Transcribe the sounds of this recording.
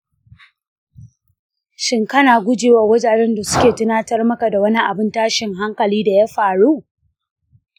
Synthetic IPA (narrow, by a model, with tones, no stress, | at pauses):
ʃɪ˦ŋkɐ˦naː˨ɡʷʊ˦d͡ʒeː˨wa˨wʊ˦d͡ʒaː˨ɾɛ˦nda˨sʊ̥˦kʲeː˨tʊ˦naː˦tɐ˦rmɐ˦ka˨da˨wɐ˦ni˦ʔa˨bɪ˦ntaː˦ʃɪ˨ŋɦa˦ŋkɐ˨liː˦da˨ja˦ɸaː˨ɽu˦